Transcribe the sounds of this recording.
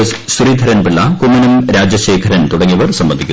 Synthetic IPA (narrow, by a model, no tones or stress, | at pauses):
ssriːd̪ʱɐɾɐnpiɭːɐkumːɐnumɾaːd͡ʑjɐɕe̞ːkʰɐɾɐnt̪uɽɐŋːiɐʋɐrsɐmbɐnd̪ʱikʲːu